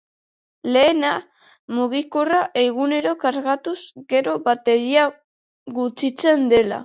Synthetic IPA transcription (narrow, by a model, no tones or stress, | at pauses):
le̞ːna | muɣikoraʔe̞ɣune̞ɾo̞kaɾɣat̪uzɡe̞ɾo̞βat̪e̞ɾia | ɣut͡sit͡se̞nd̪e̞la̰